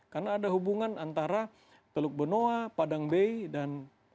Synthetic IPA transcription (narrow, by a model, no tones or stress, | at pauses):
karnaːdaɦubuŋanant̪aɾa | t̪əlʊk̚bənoapadaŋbejdan